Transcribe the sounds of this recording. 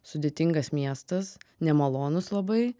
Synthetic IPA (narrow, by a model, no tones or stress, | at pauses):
sʊd̪ʲeːt̪ʲɪŋɡɐsmʲiɛst̪ɐsnʲɛmɐlˠoːnʊslˠɐbɐɪ